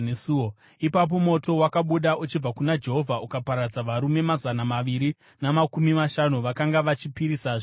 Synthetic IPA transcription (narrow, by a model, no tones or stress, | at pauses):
esuo | ipap̬o̞mo̞to̞wakaɓuɗaut͡ʃib͡vakunad͡ʒe̞ɦo̞vʱaʔukapaɾad͡zaʋaɾume̞mazanamaʋiɾi | namakumimaʃanuʋakaŋɡaʋat͡ʃipiɾisaːʐo